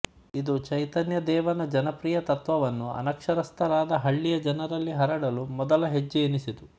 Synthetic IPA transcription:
id̪ut͡ʃɐjt̪ɐnjɐd̪ɛːʋɐnɐd͡ʒɐnɐpɾiːjɐt̪ɐt̪ʋɐʋɐnːuɐ̰nɐkʂɐɾɐst̪ʰɐɾaːd̪ɐɦɐɭːijɐd͡ʒɐnɐɾɐlːiɦɐɾɐɽɐlumɔd̪ɐlɐɦed͡ʒːienisit̪u

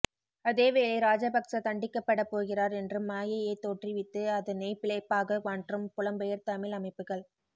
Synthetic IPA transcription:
ɐðeːʋeːɭɐɪɾaːd͡ʒɐbɐksɐt̪ɐɳɖɪkːɐpːɐɽɐpːoːɣɪraːɾɛndrɯmːaːjɐjɐɪt̪ːoːʈriʋɪt̪ːɯɐðɐnɐɪpɪɭɐɪpːaːɣɐʋaːɳʈrɯmpʊlɐmbɐjɐɾt̪ɐmɪlɐmɐɪpːɯɣɐɭ

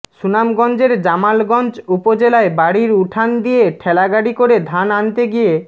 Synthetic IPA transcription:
ʃunamɡɔnd͡ʑeɾd͡ʑamalɡɔnd͡ʑupod͡ʑelaebaɽiɾuʈʰand̪ijeʈʰɛlaɡaɽikoɾed̪ʱanant̪eɡije

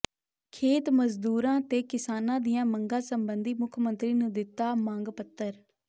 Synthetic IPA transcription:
kʰeːt̪məzd̪uːɾãːt̪eːkɪsaːnãːd̪ɪjãːməŋɡãːsəmbənd̪iːmʊkʰmənt̪ɾiːnũːd̪ɪt̪ːaːmãːŋɡpət̪ːəɾ

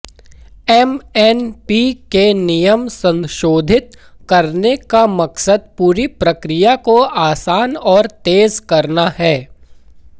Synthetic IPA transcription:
ɛmɛːnpikenɪjəmsɐ̃nʃoːd̪ʱɪt̪ | kɐɾnekamɐksəd̪̚puːɾipɾɐkɾɪjakoaːsaːnɔːɾt̪eːzkɐɾnaɦɛː

